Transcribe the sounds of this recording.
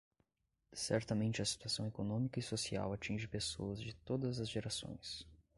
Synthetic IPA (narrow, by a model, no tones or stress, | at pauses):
sɛ̰ɾt̪ɐmẽnt͡ʃɪɐsi̥t̪uasɐ̃w̃ekonõmikɐɪsosia̰wat͡ʃĩʒɪpeso̰ɐzd͡ʒɪt̪od̪ɐzɐzʒeɾasõ̰j̃s